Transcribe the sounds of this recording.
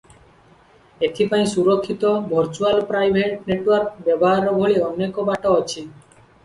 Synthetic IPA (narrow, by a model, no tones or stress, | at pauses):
et̪ʰipaĩsuɾokʰːit̪ɔbʱɔɾt͡ʃualpɾajbʱeʈneʈwɔɾkbɛboɦaɾɔbʱoɭiɔnekɔbaʈɔɔt͡ʃʰi